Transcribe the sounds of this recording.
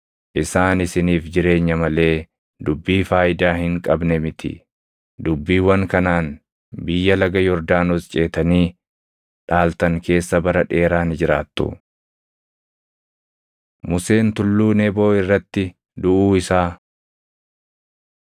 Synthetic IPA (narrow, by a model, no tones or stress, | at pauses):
ʔɪsaːnɪsɪniːfd͡ʒɪɾe̞ːɲːɐmɐle̞ː | d̪ʊbːiːfaːjɪd̪aːhɪŋkʼɐbnɛmɪt̪ʰɪ̰ | d̪ʊbːiːwɐŋkɐnaːn | bɪjːɐlɐɡɐjɔɾd̪aːnɔst͡ʃʼe̞ːt̪ɐniː | ᶑaːlt̪ɐŋke̞ːsːɐbɐɾɐᶑe̞ːɾaːnɪd͡ʒɪɾaːt̪ːʊ̰ | mʊse̞ːnt̪ʊlːuːneːbo̞ːɪrːɐt̪ːɪ | d̪ʊʔuːɪsaː